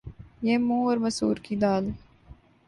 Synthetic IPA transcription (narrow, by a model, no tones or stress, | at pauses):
jeːmũːɔːɾmɐsṵːɾkid̪aːl